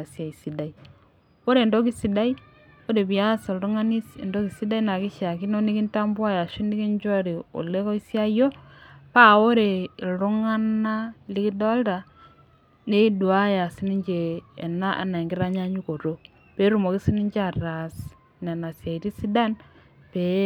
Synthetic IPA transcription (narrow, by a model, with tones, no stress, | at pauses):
a˨sja˨i˨si˨da˨i˦ | o˦ɾe˨ndo˦ki˦si˨da˦i˦ | o˦ɾe˨bi˨ja˦so˨lɾu˦ŋa˦ni˦sḭ˨ndo˦ki˨si˦da˦i˦na˨ki˦ʃa˨ki˦no˦ni˦ki˦nta˦mbwa˦ja˨ʃi˦ni˦ki˦ɲd͡ʒo˦ɾi˨o̰˨le˦ko˦i˦sja˦jo˦ | pa˦o˦ɾe˨lɾu˦ŋa˦na˦li˦ki˦dɔ˦lta˨ | ne˦du˨a˦ja˨si˦ni˦ɲd͡ʒeː˨na˦ʔa̰˨na˨i˨ŋɡi˦ɾa˦ɲa˦ɲu˦ko˨ɾo˦ | pe˨˦ɾu˨mo˨ki˦si˦ni˦ɲd͡ʒa˨ra˨s | na˨na˨sja˨i˨ti˦si˦da˦n | pe˨